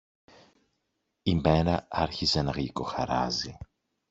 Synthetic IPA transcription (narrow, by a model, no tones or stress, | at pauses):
ime̞ɾɐɐɾçizenɐɣiko̞xɐɾɐ̰zi